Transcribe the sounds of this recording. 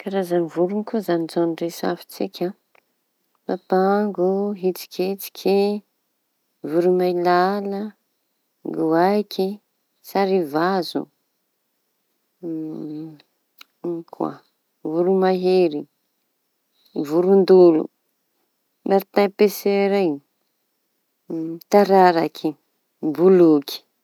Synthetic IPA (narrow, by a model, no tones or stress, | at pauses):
kaɾazanivuɾunikuzanizaniɖ͡ʐesa̰fi̥t͡sikʰʲa | papaŋɡuɦit͡si̥kʲit͡si̥kʲʰi | vuɾumailalə | ŋɡuajkʲʰi | saɾivazṵ | kʰwa̰ | vuɾumaɦeɾi | vuɾund̪ulṵ | maɾt̪apeseɾaj | t̪aɾaɾakʰi | bulukʰi̥